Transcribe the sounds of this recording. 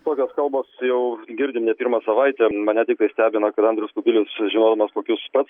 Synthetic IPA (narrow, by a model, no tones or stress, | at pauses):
t̪oːkʲoːskɐlˠboːsjɛʊɡʲɪɾʲdʲɪmnʲɛpʲiːɾmɑsɐʋɐɪt̪ʲɛmɐnʲɛt̪ʲɪk̚t̪ɐɪsʲt̪ʲæːbʲɪnɐkɐt̪ɐnʲd̪ʲɾʲɪskʊbʲɪlʲʊsʒʲɪnoːd̪ɐmɐskoːkʲʊspɐt̪s